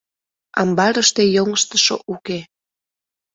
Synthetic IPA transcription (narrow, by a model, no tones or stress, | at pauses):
ɑ̰mbɑɾəʃt̪ejoŋəʃt̪əʃo̰ʔuke